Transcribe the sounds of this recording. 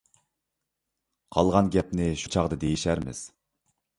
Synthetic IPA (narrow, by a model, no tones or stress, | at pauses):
qʰɑlˠʁɑnɡʲɛpnɪʃu̥t͡ʃʰɑʁd̪ɨd̪ejiʃæɾmɪ̰z̥